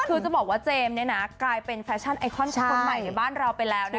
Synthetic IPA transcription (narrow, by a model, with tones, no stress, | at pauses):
kʰɯː˧t͡ɕa˨˩bɔː˨˩k̚waː˥˩t͡ɕeː˧mni˦˥˩ɐna˦˥klaː˧jpe˧nfɛː˦˥t͡ɕʰa˥˩nʔa˧jkʰɔ˥˩nʰ˦˥a˧˩˧ma˨˩ja˨˩baː˥˩nɾa˧wpa˧jlɛː˦˥wna˦˥